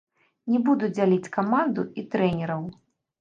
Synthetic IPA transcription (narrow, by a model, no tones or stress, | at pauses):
nʲɛbud̪ud͡zʲalʲit͡sʲkamand̪uit̪ɾɛnʲɛɾɐw